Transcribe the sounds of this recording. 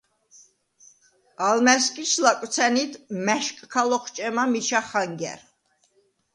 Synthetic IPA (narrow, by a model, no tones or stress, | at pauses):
almɛskʼiʃʰlakʼwt̪sʰɛnid̪mɛʃkʼkʰalɔχt͡ʃʼɛmamit͡ʃʰaχaŋɡɛ̰ɾ